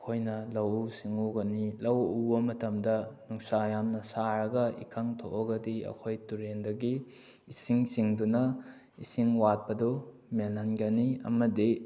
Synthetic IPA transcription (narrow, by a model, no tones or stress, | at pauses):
ɐkʰojnɐlɐwusiŋuɡɐnilɐwubɐmɐtɐmdɐnuŋsajamnɐsaɾɐɡɐḭkʰɐŋtʰoʔoɡɐdiɐ̰kʰojtuɾendɐɡiː | siŋsiŋdunɐ | isiŋwat̚pɐdu | menanɡɐniɐ̰mɐdi